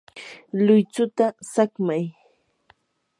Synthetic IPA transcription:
lʊjt͡sʊt̪asakmaj

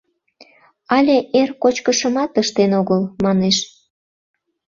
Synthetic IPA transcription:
ɑlʲeʔerkot͡ɕkəʃəmɑt̪əʃt̪enoɣəlmɑneʃ

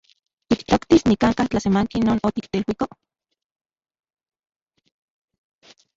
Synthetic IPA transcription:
t̪ikt̪okt̪isnikaŋkaht͡ɬasemaŋkinoːnot̪ikt̪eilwiko

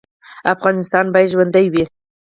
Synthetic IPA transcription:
afɣɑnɪst̪ɑnbɑj̪ʒwand̪ajwi

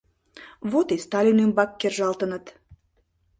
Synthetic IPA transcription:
βot̪est̪ɑlʲinymbɑkːerʒɑlt̪ənət̪

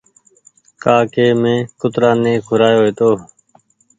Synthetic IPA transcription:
kaːkeːmẽːkʊt̪ɾãːnẽːkʰʊɾaːjoːeːt̪oː

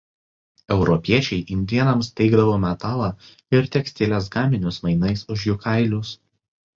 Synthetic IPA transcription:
ɛʊɾɔpʲiɛt͡ʃʲɛɪʔɪnʲd̪ʲiɛnɐmst̪ʲɛɪɡd̪ɐʋoːmʲɛt̪ɑːlˠɑː | ɪɾt̪ʲɛksʲt̪ʲɪlʲes̬ɡɑːmʲɪnʲʊsmɐɪnɐɪsʊʃjʊkʰɑˑɪlʲʊs

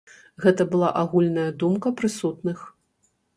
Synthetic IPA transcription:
ɣɛt̪ɐbɨlˠaʔaɣulʲnɐjɐd̪umkɐpɾɨsut̪nɨx

